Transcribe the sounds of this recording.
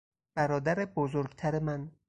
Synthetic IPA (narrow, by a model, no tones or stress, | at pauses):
b̥æɾɒːd̪æɾebozoɾɡt̪ʰæɾemæn